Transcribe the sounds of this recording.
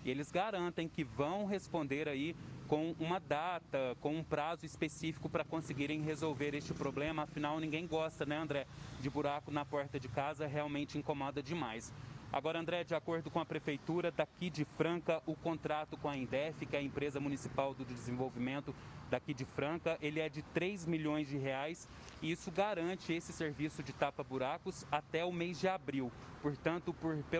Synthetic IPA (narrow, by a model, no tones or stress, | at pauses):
ɪelɪzɡaɾɐ̃nt̪ẽj̃kɪvɐ̃w̃ɦespõnd̪eɾaikõw̃ũmɐd̪at̪ɐkõũpɾazʊispesifi̥kʊpɾɐkõsɪɡiɾẽj̃ɦezowveɾest͡ʃɪpɾoblẽmɐːfĩnawnĩɡẽj̃ɡɔst̪ɐnɛɐ̃nd̪ɾɛd͡ʒɪbuɾakʊnɐpɔɾt̪ɐd͡ʒɪkazɐɦeawmẽnt͡ʃɪĩkõmɔd̪ɐd͡ʒɪmajsa̰ɡɔɾɐ̃nd̪ɾɛd͡ʒɪakoɾd̪ʊkõɐpɾefejt̪uɾɐd̪akid͡ʒɪfɾɐ̃kɐʔʊkõnt̪ɾat̪ʊkõɐẽd̪ɛfɪkɪɐẽmpɾezɐmũnisipawd̪ʊd̪d͡ʒɪzẽvowvimẽnt̪ʊd̪akid͡ʒɪfɾɐ̃kɐʔelɪɛd͡ʒɪt̪ɾejzmiʎõj̃zd͡ʒɪɦeajs | ɪisʊɡaɾɐ̃t͡ʃɪesɪseɾvisʊd͡ʒɪt̪apɐbuɾakʊsat̪ɛʊmejzd͡ʒɪabɾiw | poɾt̪ɐ̃nt̪ʊpoɾpe